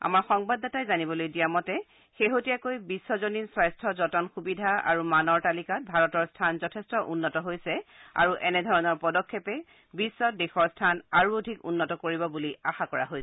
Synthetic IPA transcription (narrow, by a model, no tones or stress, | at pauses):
a̰maɹxɔŋbadɔtajzanibɔlojdijamɔtɛ | xeɦotijakojbisːɔzoninswajstʰɔzɔtɔnxubidʱaa̰ɹumanɔɹtalikat̚bʱaɹɔtɔɹstʰanzɔtʰɛstɔʔunːɔtɔɦojsɛa̰ɹuʔɛnɛdʱɔɹɔnɔɹpɔdɔkʰːɛpɛ | bisːɔdexɔɹstʰanaɹuodʱikṵnːɔtɔkoɹibɔbuliaxakɔɹa̰ɦojɛ